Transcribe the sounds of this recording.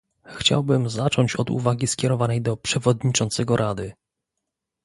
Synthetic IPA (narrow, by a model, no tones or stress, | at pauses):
xt͡ɕa̰wbɘmzat͡ʂɔɲt͡ɕɔd̪ṵvaɡʲiskʲjɛɾɔvanɛjd̪ɔpʂɛvɔd̪ɲit͡ʂɔnt̪sɛɡɔɾʔad̪ɘ